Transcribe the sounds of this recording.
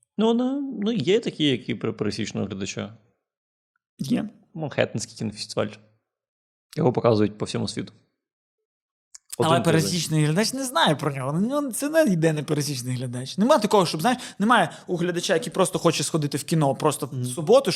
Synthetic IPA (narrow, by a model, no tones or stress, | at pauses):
nunɪnujɛt̪ɐkʲijjɐkippeɾɐsʲit͡ʃnɪ̰ʊ̰ɦlʲɐd̪ɐt͡ʃa̰ | jɛ | mɐnxɛ̰t̪ɪnsʲkʲi̥jkʲɪnɔfʲɪ̥st̪ɪʋa̰lʲ | jɔɦɔpɔkɑzʊjʊt̚ʲpɔwsʲɔmʊsʲʋʲit̪ʊ̥ | ɔd̪ɐlˠɛnpeɾɐsʲit͡ʃnɪjɦlʲɐd̪at͡ʃnɛznɑjɛpɾɔnʲɔɦɔnʲɔnt̪sɛnɛjɪd̪ɛnɪpeɾɐsʲit͡ʃnɪjɦlʲɐd̪ɑt͡ʃnɛmajt̪ɐkɔɦɔʃt͡ʃɔbzajɪʃnɛmɑjɛ | ʊɦlʲɐd̪ɐt͡ʃajɐkʲipɾɔst̪ɔxɔt͡ʃɛsxɔd̪ɪt̪ɪwkʲinɔpɾɔst̪ɔsʊbɔt̪ʊ